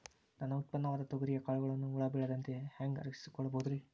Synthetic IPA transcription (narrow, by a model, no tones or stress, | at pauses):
nɐnːɐut̪̚pɐnːɐʋaːd̪ɐt̪oɡɐɾijɐkaːɭuɣɐɭɐnːuːɭɐbiɭɐd̪ɐnt̪e̞hɐŋɡɐ̰ɾɐki̥si̥kɔɭːɐbɐd̪ɾi